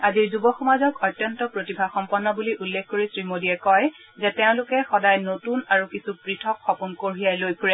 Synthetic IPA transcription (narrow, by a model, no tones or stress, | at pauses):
aziɹzubɔxɔmazɔkɔjtːjɔntɔpɹotibʱaxɔmpɔɹnːɔbuliʔulːekʰkoɹisɹimodiɛkɔj | zɛtɛʊ̃lʊkɛxɔdajnotunaɹukisupɹitʰɔkxɔpunkoɹijajlojpʰuɹɛ